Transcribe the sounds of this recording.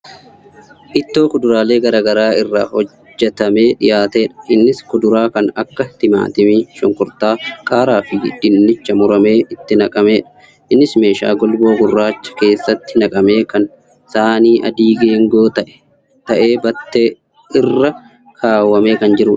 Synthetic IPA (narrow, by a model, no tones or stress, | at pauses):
ʔɪt̪ːo̞ːkʊd̪ʊɾaːleːɡɐɾɐːɡɐɾaːɪrːahɔ | d͡ʒːɛt̪ɐme̞ːᶑɪjaːt̪eːᶑɐ̥ʔɪnːɪskʊd̪ʊɾaːkɐnɐkːɐt̪ɪma̰ːt̪ɪmiʃɔŋkʊɾt̪aːkʼaːɾaːfɪɪ̰d̪ɪnːɪt͡ʃːɐmʊɾɐme̞ːʔɪt̪ːɪnɐkʼɐme̞ːᶑɐ̥ | ʔɪnːɪsme̞ːʃa̰ːɡɔlbo̞ːɡʊrːaːt͡ʃːɐ̥ke̞ːsːɐt̪ːɪnɐkʼɐme̞ːkɐn | saːniːʔɐ̰d̪iːɡeːŋɡo̞ːt̪ɐʔɛ̥ | t̪ɐʔe̞ːbɐt̪ːe | ɪrːɐ | kʰaːwːɐme̞ːkɐnd͡ʒɪɾuːᶑɐ̥